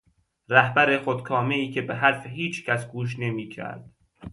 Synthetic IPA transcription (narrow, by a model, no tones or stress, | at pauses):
ɾæhbæɾe̞χod̪kʰɒːmeiːcʰebeɦæɾfeɦiːt͡ʃʰcʰæsɡuːʃ̬ne̞miːcʰæ̰ɾd̪̥